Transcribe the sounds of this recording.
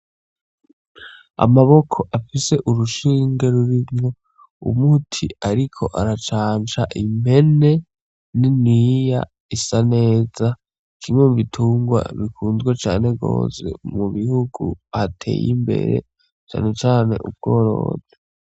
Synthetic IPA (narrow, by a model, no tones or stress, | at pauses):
a̰maβo̞kʰo̞ʔafise̞ʔuɾuʃiːŋɡeɾuɾimŋo̞ | ṵmutʰiaɾikʰo̞ʔaɾat͡ʃaːnt͡ʃaʔimbe̞ne̞ | ninija̰ | isane̞ːza | kʰimemuβitʰuːŋɡwa̰βikʰuːnzɡwet͡ʃaːne̞ɡo̞̰ːse̞̰muβihuɡṵatʰe̞̰ːjḭmbe̞̰ɾe̞̰ | t͡ʃa̰ne̞t͡ʃaːne̞̰ʔub̚ɡ̥o̞ːɾo̞̰ːze